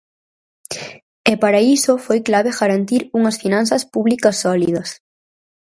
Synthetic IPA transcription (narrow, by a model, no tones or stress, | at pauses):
ɛpaɾaisofojklaβ̞eɣaɾant̪iɾuŋɐsfinãnθɐspuβlikɐsːɔliðɐs